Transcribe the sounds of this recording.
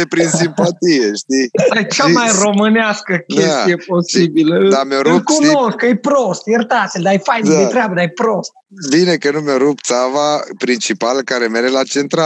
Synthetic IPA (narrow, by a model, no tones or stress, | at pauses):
epɾinsimpat̪ijeʃtt̪iajt͡ʃt͡ʃamajro̞mɨneaskəkʲesstijepo̞sibiləɨd̪ameoɾulkunoskkɨjpɾost̪jert̪at̪elʲd̪ajfajned̪et̪ɾeabəd̪ajpɾost̪̚ | binekənumeoɾupt̪savapɾint͡ʃipalkaɾemeɾelat͡ʃent̪ɾa